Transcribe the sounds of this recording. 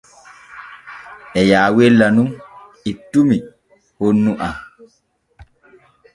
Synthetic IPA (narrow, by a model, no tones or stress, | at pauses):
ʔɛjaːwelːanun | itːumi | honːuʔa